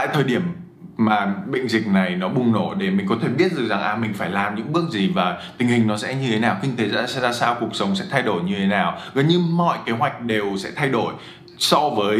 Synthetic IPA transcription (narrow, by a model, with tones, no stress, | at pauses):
a̰ː˧˨jt̪ʰəː˨˩jɗi˧˩əm | maː˨˩ɓə̰˧˨jŋ̟zï˨˩k̟̚na˨˩jnɔ˨˦ɓʊ˨˧˩ŋ͡mno˧˩ɗe˧˩mï˨˩ŋ̟kɔ˨˦t̪ʰe˧˩ɓi˦˥ət̚zɨ˨˩za˨˩ŋʔaː˨˩mï˨˩ŋ̟faː˧˩jlaː˨˩mɲɨ̰˧˥ŋɓɨ˦˥ək̚zi˨˩vaː˨˩t̪ï˨˩ŋhï˨˩ŋ̟nɔ˨˦sɛ̰˧˥ɲɨ˧e˨˦naː˨˩wkï˧ŋt̪ʰe˨˦za̰ː˧˥sɛ̰˧˥zaː˧saː˧wkək̚sə˨˦wŋ͡msɛ̰˧˥t̪ʰa˧jɗo˧˩jɲɨ˧t̪ʰe˨˦naː˨˩wɣəː˨˩˦nɲɨ˧mɔ̰˧˨jke˨˦ɦwa˨˩jk̟̚ɗe˨˩wsɛ̰˧˥t̪ʰa˧jɗo˧˩j | sɔ˧vəː˨˦j